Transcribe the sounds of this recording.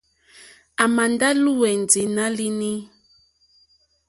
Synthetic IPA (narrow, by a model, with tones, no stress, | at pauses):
a˨ma˨nda˦lu˦wɛ˨n˨d͡zi˨˦na˦li˦ni˦